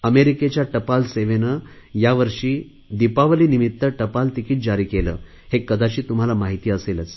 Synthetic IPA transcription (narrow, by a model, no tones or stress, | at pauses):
əmeɾiket͡ɕjaʈəpalseʋenə | jaʋəɾʂiː | d̪ipaʋəliːnimit̪ːəʈəpalt̪ikiːʈ̪̚d͡ʑaɾiːkelə̰ː | hekːəd̪ʱat͡ɕiːt̪um̤alamaɦit̪iːəselət͡s